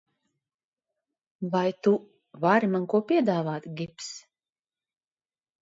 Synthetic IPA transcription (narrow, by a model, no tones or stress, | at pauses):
vajt̪u | vaɾimaŋkuɔpʲiɛd̪aːvaːt̪ɡʲips